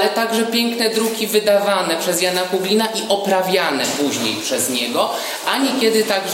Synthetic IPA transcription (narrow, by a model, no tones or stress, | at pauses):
lɛt̪aɡʐɛpʲjɛŋknɛd̪ɾukʲivɘd̪avanɛpʂɛzjanakuɡlʲinaʔiʔɔpɾavʲjanɛpuʑɲḛjpʂɛzɲɛɡɔ | ʔaɲikʲjɛd̪ɘt̪aɡ